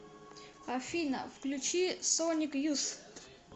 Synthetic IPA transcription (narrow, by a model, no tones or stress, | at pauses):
ɐfʲinə̰fklʲut͡ɕisonʲikjus